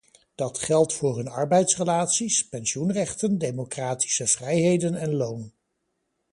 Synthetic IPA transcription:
d̥ɑtχɛlˠtfʊːɹɦɵnɑ̰ɹbɛjtsrəlaːtsispɛnsunrɛχtəndejmokraːti̥səv̥rɛjɦejdənɛnlown

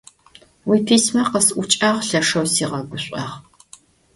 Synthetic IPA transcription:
wiːpʰiːsmɐqəsʔʷʊt͡ʃʼaːʁɬɐʂɐwsiːʁɐɡʷʊɕʷʼɐ̰ʁ

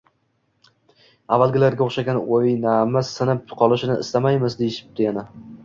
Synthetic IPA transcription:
avːalˠɡʲɪlaɾɡʲaoχʃaɡʲanoɪjnamazsɪnɪpqʰɒlˠɪʃɪnɪɪ̰st̪amajmɪzd̪ejɪʃɪ̥p̚d̪̥ɪjana

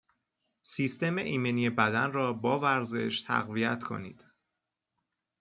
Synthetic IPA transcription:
siːst̪e̞meʔiːmenijebæd̪ænrɒːbɒːvæɾze̞̰ʃt̪ʰæ̰ɣvijæt̪ʰkʰo̞̰nḭːd̪̥

